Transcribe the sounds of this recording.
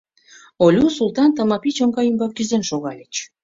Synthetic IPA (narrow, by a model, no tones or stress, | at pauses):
olʲusulˠt̪ɑnt̪ə̆mɑpit͡ɕŏŋɡɑjymbɑk̚ɡyzenʃoɣɑlʲet͡ɕ